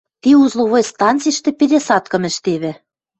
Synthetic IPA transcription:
t̪iuzlˠoβojst̪ɑnt͡sijʃt̪ĕpeɾʲesɑt̪kɤ̆mɘ̆ʃt̪eβɘ̆

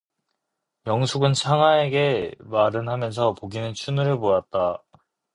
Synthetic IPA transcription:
jʌŋsʰuɡɯnt͡ɕʰaŋɦae̞ɡe̞maɾɯnɦamjʌns̬ʰʌpoɡinɯnt͡ɕʰunuɾɯɭpojat̚t͈a

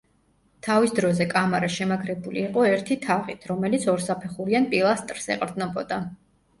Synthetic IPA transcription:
t̪ʰavisd̪ɾɔzɛkʼamaɾaʃɛmakʰɾɛbulḭːqʼɔɛɾt̪ʰit̪ʰaʁit̪ʰɾɔmɛlit̪sʰɔɾsapʰɛχuɾianpʼilˠast̪ʼɾsɛ̰qʼɾd̪znɔbɔd̪a

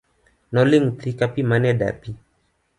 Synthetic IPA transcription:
nɔliŋt̪ʰikapimanɛda̰pi

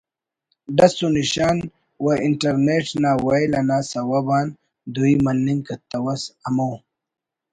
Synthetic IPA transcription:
ɖɐsuniɕaːn | waiɳʈɐɾneʈnawajlɐnasɐwɐbaːn | d̪uimɐnːiŋkɐt̪ːɐwɐsɐmow

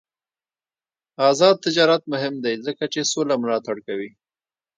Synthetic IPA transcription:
ɑzɑd̪̚t̪ɪd͡ʒɑɾat̪̚mʊɦɪmd̪ajzəkat͡ʃesolamʊlɑt̪aɽkawi

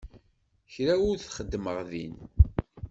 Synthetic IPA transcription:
çɾæʊɾθχəd̪ːməʁðḭn

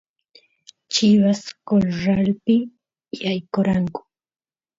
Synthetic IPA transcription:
t͡ʃɪwaskolɾalpɪ | jajkoɾaŋkʊ̥

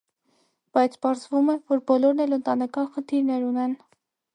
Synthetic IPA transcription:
b̥ɑjt͡sʰpɑɾzvumɛvɔɾbɔlɔɾnɛlənt̪ɑnɛkɑnχənt̪ʰiɾnɛɾunɛn

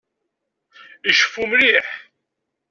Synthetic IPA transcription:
iʃə̥fumɾiħ

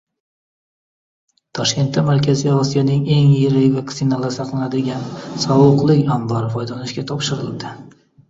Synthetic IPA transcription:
t̪ʰɒʃkʲe̞nt̪ːamaɾkʲʰaziɒsijɒnɪŋe̞ŋjɪɾɪjʲvaksɪnalaɾsɑqlanad̪ɪɡʲansɒwʊqlˠɪkʲambɒɾɪfɒjd̪ɒnɪʃkʲat̪ʰɒpʃɪɾɪlˠd̪ɪ

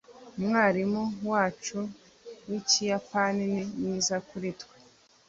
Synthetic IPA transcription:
umŋaːɾimuwaːt͡ʃu | wicijapanininizakuɾitkwe

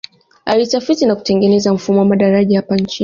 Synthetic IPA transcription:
ʔaɾitafitinaku̥tɛŋɡʲɛnɛzam̩fumamadaɾad͡ʒaapɐnt͡ʃi

